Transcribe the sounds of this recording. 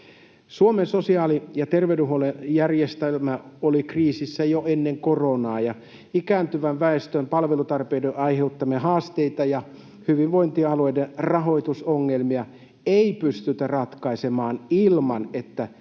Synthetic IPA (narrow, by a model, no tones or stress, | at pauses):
suomensosiɑːlijɑt̪erʋeduɦolejærjest̪elmæolikriːsisːæjoenːeŋkoronɑːjɑ | ikæːnt̪yʋæʋʋæest̪ømpɑlʋelut̪ɑrpedeʔɑiheut̪ːɑmeɦɑːst̪eit̪ɑjɑ | hyʋiʋʋoint̪iɑloiderɑɦo̞it̪usoŋːelmiɑ | eipyst̪yt̪ærɑt̪kɑisemɑːnilmɑnet̪ːæ